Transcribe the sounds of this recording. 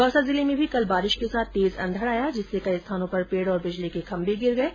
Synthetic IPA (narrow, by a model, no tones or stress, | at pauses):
bɐːsazɪlimẽbʱikɐlbaːɾɪʃkesaːt̪̚ʰt̪eːzɐ̰̃nd̪ʱəɾaːjad͡ʒɪsːekɐist̪ʰaːnõpɐɾpeːɽɔːɾbɪd͡ʒlikekʰɐ̃mbeɡɪɾɡɐeː